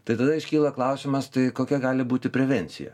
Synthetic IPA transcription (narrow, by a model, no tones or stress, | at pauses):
t̪ɐɪt̪ɐd̪ɐɪʃʲkʲiːlˠɐklˠɐʊsʲɪmɐst̪ɐɪkoːkʲɛɡɑːlʲɪbuːt̪ʲɪpʲɾʲɛʋʲɛnʲsʲɪ̰jɛ̰